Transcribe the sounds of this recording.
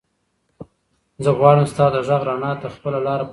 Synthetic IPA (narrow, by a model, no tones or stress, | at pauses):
zəɣwɑɽəmst̪ɑd̪əʒaɣɾɑnɑt̪əxpəlalɑɾap